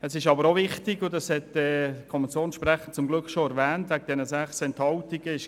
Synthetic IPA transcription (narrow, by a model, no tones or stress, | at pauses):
əsɪʃɑbəɾovɪχtɪɡʊdɑshɛtɛːkʰɔmɛnt͡sjoːnsʃprɛχənt͡sʊmɡlʏkχʃoɛɾvɛːntvæɡəd̥̪ɛnəsæχsɛnthɑltiɡ̥əɪʃ